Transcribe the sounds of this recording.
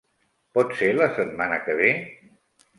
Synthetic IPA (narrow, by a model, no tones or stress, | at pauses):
pɔt̪seɾləsət̪̚manəkəβ̞e